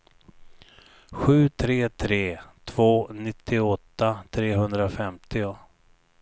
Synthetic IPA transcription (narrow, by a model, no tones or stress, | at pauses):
ɧʉ̟ːt̪ʰɾeːt̪ʰɾeːt̪ʰv̥oːnɪt̪ʰːɪɔt̪ːat̪ʰɾeːɦɵnd̪ɾafɛmt̪ʰɪʊ